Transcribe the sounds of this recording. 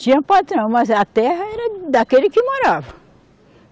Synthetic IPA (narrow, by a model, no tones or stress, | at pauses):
t͡ʃĩɲɐpat̪ɾɐ̃w̃mɐzɐt̪ɛhɐɛɾɐd̪akelɪkɪmoɾavɐ